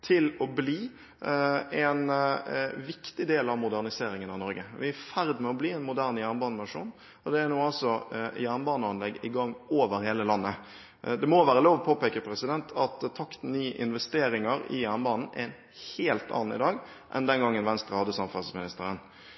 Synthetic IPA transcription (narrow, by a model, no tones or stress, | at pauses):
t̪ʰɪlɔbliː | ɛn | ʋɪkt̪ɪd̪eːlɑʋmʊd̪æʁnɪseːɾɪŋənɑnɔɾɡəʋɪæfæɾd̪mɛɔbliːɛnmʊd̪æɾnjæɾnbɑːnəmɑʂṵːn | ɔd̪ɛæɾnuːɑlsɔjæɾnbɑːnəɑnlɛɡːɪɡɑŋːoːʋəɾheːləlɑnːə | d̪ɛmoʋæːɾəloːʋɔpʰoːpeːkəpʰɾɛsɪd̪ɛnt̪ʰɑt̪t̪ʰːɑkt̪n̩nyːəʔɪ̰nʋɛst̪eːɾɪŋəɾɪ̰jæɾnbɑːnn̩ɛ̰ɾɛn | heːlt̪ɑ̰ːnn̩ɪ̰d̪ɑːɡ | ʔɛ̰nd̪ɛnɡɑŋːənʋɛnst̪ɾəhɑd̪əsɑmfɑlsmɪnɪst̪əɾən